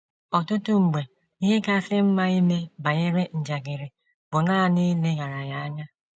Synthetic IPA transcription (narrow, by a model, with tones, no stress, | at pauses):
ɔ˨tʊ˦tʊ˦ŋ͡m̩˨ɡ͡be˨ | i˦ɦe˦ka˦sɪ˦m̩˦ma˦i˦me˦ba˨ɣɪ˦ɾɪ˦n̩˨d͡ʒa˨ɡɪ˨ɾɪ˨ | bʊ˨naː˦a˨ni˦le˦ɣa˨ɾa˨ja˦a˦ɲa˦